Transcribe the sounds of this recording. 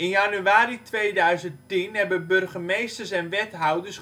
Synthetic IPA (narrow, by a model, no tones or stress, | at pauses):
ɪnjanyaːɾitʋejdœɥzəntinɦɛbənbørɣəmejstərsɛnʋɛtɦawdərs